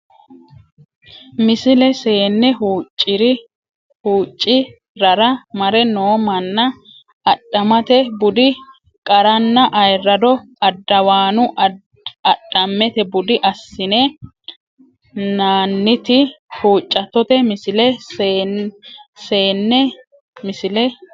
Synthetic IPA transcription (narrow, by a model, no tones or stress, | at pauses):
mɪsɪlɛse̞ːnːɛhuːt͡ʃʼːɪɾɪ | huːt͡ʃʼːɪ | ɾɐɾɐmɐɾɛnoːmɐnːɐː | ɗɐmɐt̪ɛbʊd̪ɪ | kʼɐɾɐnːɐʔɐjrːɐd̪ɔ | ɐd̪ːɐwaːnʊ | ɐɗɐmːɛt̪ɛbʊd̪ɪʔɐsːɪnɛ | naːnːɪt̪ɪhuːt͡ʃʼːɐt̪ːɔt̪ɛmɪsɪlɛ | se̞ːnːɛ | mɪsɪlɛ